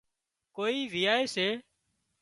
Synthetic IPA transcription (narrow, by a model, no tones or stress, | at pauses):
koːiːʋijaːeːseː